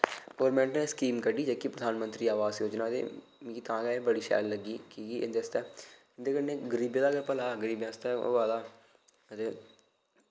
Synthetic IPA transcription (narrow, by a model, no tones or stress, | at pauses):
ɡɔːɾmɛ̃ːɳʈnẽːskiːmkəɖiːd͡ʒeːkipɾəd̪ʱaːnmənt̪ɾiːaːʋaːzjoːd͡ʒnaːd̪ḛː | kit̪ãːɡɛebəɽiːʃɛ̰ːlːəɡiːkiːɡiːʔɪ̰nd̪eːst̪ɛː | ɪnd̪eːkəɾnẽːɡəɾiːbẽːd̪aːɡəɾpəlaːɡəɾiːbjãːst̪ɛːo̰ːaːd̪aː | ət̪eː